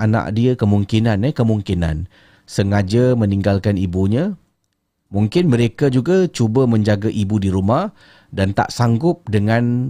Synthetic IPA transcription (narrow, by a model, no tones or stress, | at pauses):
ʔana̰ʔ̚diəkəmuŋkinanɛkəmuŋkina̰n | səŋad͡ʒəməniŋɡalkanibuɲã | muŋkɪnməɾekad͡ʒuɡat͡ʃubəməɲd͡ʒaɡaʔibudiɾumah | dant̪a̰ʔsaŋɡʊp̚dəŋan